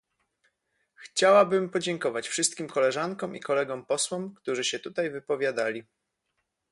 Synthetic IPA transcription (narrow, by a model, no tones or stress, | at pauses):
xt͡ɕawabɘmpɔd͡ʑɛŋkɔvat͡ɕfʂɘst̪̚kʲimkɔlɛʐaŋkɔ̃mḭkɔlɛɡɔmpɔswɔmkt̪uʐɘɕɛt̪ut̪ajvɘpɔvʲjad̪alʲi